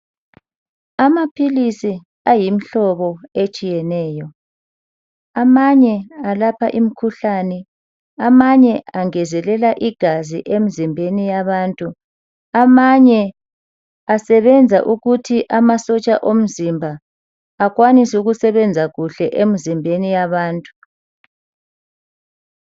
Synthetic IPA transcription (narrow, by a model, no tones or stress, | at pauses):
amapʰilisi | ajim̩ɬɔβɔet͡ʃʼijɛnɛːjɔ | amaɲɛalapʰaʔim̩kʰuɬanɛ | amaɲɛaŋɛzɛlɛlaʔiɡ̥ʱazḭʔem̩zimbʱenijaβaːntʼu | amaɲɛ | asɛβɛnd͡zʱaʔuɣutʰiʔamasɔt͡ʃʼaʔom̩zimbʱaː | ɣwanisuɣusɛβɛnd͡zʱaɣuɬɛʔem̩zimbʱenijaβaːntʼu̥